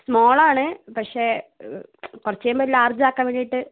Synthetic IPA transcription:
smoːɭaːɳɨpɐkʂe | kurɐt͡ɕːejumboilːaːrd͡ʑaːkːaːmʋeːɳijiʈːɨ

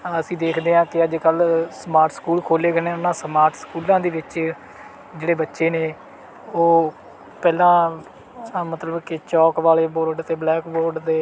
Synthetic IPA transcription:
əsĩːd̪eːkʰd̪eːãːkɪəd͡ʒkəlsəmaːɾʈʰskuːlkʰoːleːɡənẽːʊnãːsmaːɾʈʰskuːlãːd̪eːʋɪt͡ʃ | d͡ʒeːɽeːbətːʃeːneː | oː | pɛːlãː | mət̪ləbkɪt͡ʃɔːkʋaːleːboːɾɖt̪eːblɛːkboːɾɖd̪eː

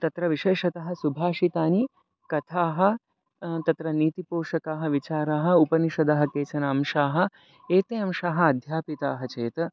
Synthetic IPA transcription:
t̪ɐt̪ɾɐʋiʃeːʂɐt̪ɐɦɐ̆subʱaːʃit̪aːni | kɐt̪ʰaːɦɐ̆ | t̪ɐt̪ɾɐniːt̪ipoːʂɐkaːɦɐ̆ʋit͡ʃaːɾaːɦɐ̆upɐniʃɐd̪ɐɦɐ̆keːt͡ʃɐnaːmʃaːɦɐ̆ | eːt̪eːɐmʃaːɦɐ̆ɐd̪ʱjaːpit̪aːɦɐt͡ʃeːt̪ɐ

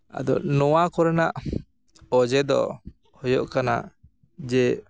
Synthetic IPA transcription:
a̰d̪ɔ̰nɔwakɔɾɛnaʔ | ɔd͡ʒɛd̪ɔ̰ | hɔjɔʔkana̰ʔ | d͡ʒɛ

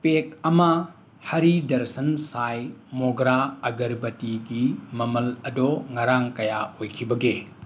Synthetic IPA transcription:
pek̚ɐmɐ | hɐɾidɐɾsɐnsajmɔɡɾaɐɡɐɾbɐtiɡimɐmɐlɐdɔŋɐɾaŋkɐjaojkʰibɐɡe

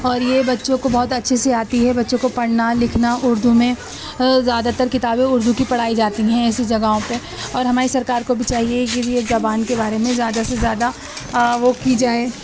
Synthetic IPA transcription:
ɔːɾjebɐtːʃõkobɔɦʊt̪ɐtːʃʰeseaːt̪iɦɛbɐtːʃõkopɐɽnalɪkʰnaʊɾd̪ʱumẽ | zjaːd̪at̪ɐɾkɪt̪aːbẽʊɾd̪ʱukipɐɽ̤aːid͡ʒaːt̪iɦɛ̃ɛːsed͡ʒɐɡaɦõpe | ɔːɾɦɐmaːɾisɐɾkaːɾkobʱit͡ʃaːɦieked͡ʒiezabaːnkebaːɾemẽzjaːd̪asezjaːd̪a | ʋokid͡ʒaːeː

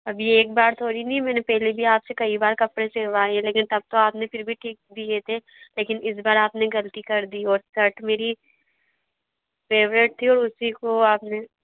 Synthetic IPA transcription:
ɐbʱieːk̚baːɾt̪ʰoːɾinĩmɛ̃ːnepɛːɦlibʱiaːpsekɐibaːɾkɐpɾeseːʋaːeẽleːkɪnt̪ɐb̚t̪oaːpnepɪɾbʱiʈʰiːk̚d̪iet̪ʰe | leːkɪnɪs̬baːɾaːpneɡɐlt̪ikɐɾd̪iɔːɾsɐɾʈmeːɾi | feːʋɾeʈ̚t̪ʰiɔːɾʊsikoaːpne

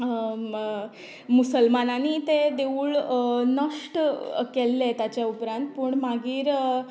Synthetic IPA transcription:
musəlmananit̪ed̪euːɭnəʂʈkelːet̪jat͡ɕjaupɾãnt̪̚pəːɳmaɡiːɾ

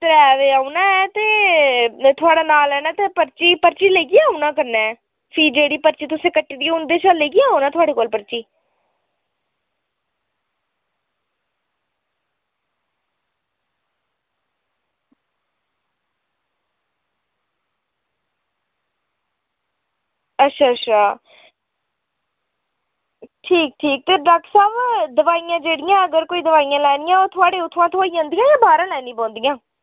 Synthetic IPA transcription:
t̪əɾɛːʋeːaunãːɛːt̪eː | t̪ʰʊaːɽaːnaːlɛːnaːt̪eːpəɾt͡ʃiːpəɾt͡ʃiːleːɡiːaːunãːkəɾnɛː | fʰiːd͡ʒeːɽiːpəɾt͡ʃiːt̪ʊsẽːkəʈːiːd̪iːʊnd̪eːʃaːleːɡiːaːoːnãːt̪ʰʊaːɽeːkoːlpəɾt͡ʃiː | ətːʃʰaːət͡ʃʰaː | ʈʰiːk̚ʈʰiːk̚t̪eːɾəksaːbd̪əʋaːijãːd͡ʒeːɽɪjãːəɡəɾkoːiːd̪əʋaːijãːlɛːnɪjãːoːt̪ʰʊaːɽeːʊt̪ʰːãːt̪ʰʊaːijãːnd̪ijãːjãːbaːɾãːlɛːnĩːbɔ̃ːnd̪ijãː

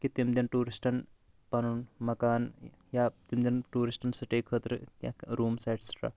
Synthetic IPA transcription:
kit̪imd̪inʈuːɾisʈɐn | pɐnunmɐkaːn | jaːt̪imd̪inʈuːɾisʈɐnsɐʈeːkʰəːt̪ɾɨka̰kɾuːmsajʈsə̥ʈa̰ː

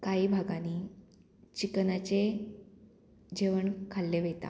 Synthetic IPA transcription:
kaiːbʱaɡaniː | t͡ɕikənat͡ɕe | d͡ʑeʋəɳkʰalːeʋet̪a̰

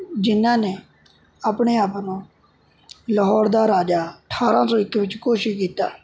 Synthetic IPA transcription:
d͡ʒɪnːãːneː | aːpɳeːaːpːnõː | ləɦɔːɾd̪aːɾaːd͡ʒaːəʈʰaːɾãːsoːɪkeːʋɪt͡ʃkoːʃɪʃkiːt̪aː

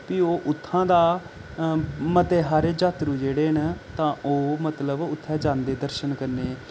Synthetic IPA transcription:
piːoːʔʊt̪ʰːãːd̪aː | mət̪eːɦaːɾeːd͡ʒaːt̪ɾuːd͡ʒeːɽeːnt̪ãːʔoːmət̪ləbʊt̪ʰːɛːd͡ʒãːnd̪eːd̪əɾʃənkəɾneː

